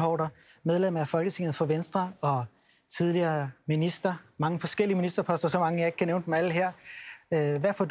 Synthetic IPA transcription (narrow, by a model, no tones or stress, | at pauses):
pʰɒ̰ːd̥ɐ | með̞ˠlemɐæfɒ̽lɡ̥ət͡sʰe̝ŋð̞̩ˠfɒ̽ʋensd̥ʁɐɒ̽ | t͡sʰið̞ˠliɐːminisd̥ʁɐmɑ̈ŋəfɒ̽sɡ̥el̰iəminisd̥ɐpʰɒ̽sd̥ɐsɒ̽mɑ̈ŋəjɑ̈e̝ɡ̥̚kʰæneʊnd̥emæl̰ɦeɐ̰ | ʋæfɒd̥